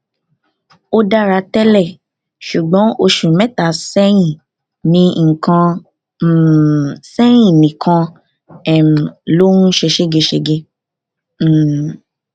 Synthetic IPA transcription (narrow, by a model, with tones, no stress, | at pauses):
o˧da˦˧ɾa˨˧˦tɛ˦lɛ˦˨ | ʃu˨ɡ͡bɔ̃˨˦o˧ʃũ˨mɛ˦ta˨sɛ˦j̃ĩ˦˨ | nĩ˦ŋ̩˨kã˧˨ | sɛ˦j̃ĩ˦˨nĩ˨kʰã˧ | ɛ˨m˨lo˦ũ˦ʃe˧ʃe˦ɡe˧ʃe˧ɡe˧˦˨